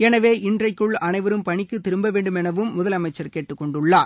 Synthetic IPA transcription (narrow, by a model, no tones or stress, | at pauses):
ɛnɐʋeːʔɪndrɐɪkːɯɭɐnɐɪʋɐɾɯmpɐɳɪkːɯt̪ːɪɾɯmbɐʋeːɳɖɯmɛnɐʋɯmːʊðɐlɐmɐɪt͡ʃːɐɾkeːʈːɯkːɔɳɖɯɭːaː